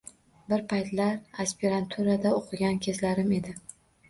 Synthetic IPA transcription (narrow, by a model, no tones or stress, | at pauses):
bɪɾpʰajt̪laɾaspʲeɾant̪ʰuɾad̪aoqʰɨɡʲankʲʰezlaɾɪme̞d̪ɪ